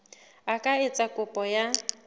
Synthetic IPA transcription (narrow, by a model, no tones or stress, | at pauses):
akʼaɪt͡sʼakʼʊpʼɔja